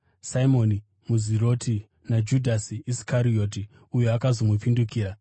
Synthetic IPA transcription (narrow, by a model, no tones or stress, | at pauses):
saimo̞ni | muziɾo̞tʰi | nad͡ʒudʱasiːskaɾio̞ːt̬i | ujoakazo̞mufindukiːɾa